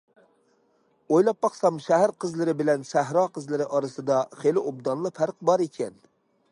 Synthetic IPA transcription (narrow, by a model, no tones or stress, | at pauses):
ojlˠɑpːɑχsɑmʃæɦæɾqʰəzlˠɨɾɪbɪlɛnʃæɦɾɑqʰəzlˠɨɾɪʔɑɾɨsɨd̪ɑχelɪʔob̚d̪ɑnlˠɨfʰæɾqbɑɾekʲʰɛn